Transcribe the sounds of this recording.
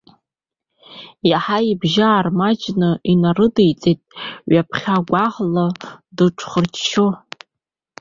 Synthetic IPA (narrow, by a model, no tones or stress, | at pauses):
jaħaibʒaːrmad͡ʒnɨinarɨdejt͡sʼejtʼɥapʰχʲaɡʷaʁladɨʈ͡ʂʰχərt͡ʃʰʃʰo